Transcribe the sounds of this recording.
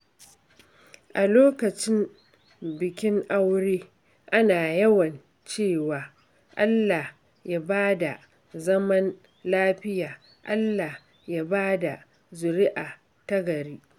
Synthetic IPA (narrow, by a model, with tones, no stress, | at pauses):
ʔa˨loː˦kɐ˨t͡ʃɪ˦m | bɪ˨kʲɪ˦ŋʔa˦wɽeː˦ | ʔa˦naː˨jɐ˦wɐ˨n | t͡ʃeː˦˨waː˨ | ʔa˦lːa˨h | jaː˦baː˦da˨ | zɐ˦mɐ˦n | laː˦ɸɪ˦jaː˨ | ʔa˦lːa˨ | ja˦baː˦da˨ | zʊ˨ɾɪ˦ʔaː˨ | tɐ˦ɡɐ˨ɾiː˦